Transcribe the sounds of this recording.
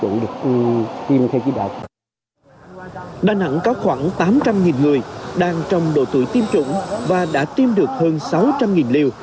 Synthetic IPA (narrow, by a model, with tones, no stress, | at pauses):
ṵ˧˩ɗɨ˨˩ək̚t̪i˧mt̪ʰe˧wt͡ɕi˧˦ɗa̰ː˨˩w | ɗaː˨˩na̰˧˥ŋkɔ˨˦xwaː˧˩ŋt̪aː˨˦mt͡ɕa˧mŋi˨˩nŋɨ˨˩əjɗaː˧˩ŋt͡ɕɔ˨˧wŋ͡mɗo̰˧˨t̪ɨ̰˧˩jt̪i˧mt͡ɕʊ̰˧˥ŋ͡mvaː˨˩ɗa̰ː˧˥t̪i˧mɗɨ˨˩ək̚həː˧nsa˨˦wt͡ɕa˧mŋi˨˩nli˨˧əw